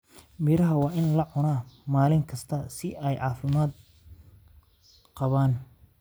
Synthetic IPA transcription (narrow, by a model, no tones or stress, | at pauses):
biːɾɐɦɐwɑːʔɪnlɐʕʊnaːmaːlɪŋkʰɐst̪ʰɐsɪʔɛjʕɑːfɪmaːd̪ | qɑβaːn